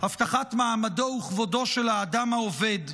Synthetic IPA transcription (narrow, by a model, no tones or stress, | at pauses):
haft̪aχatmaːmado̞uχvodo̞ʃelaːdamaove̞d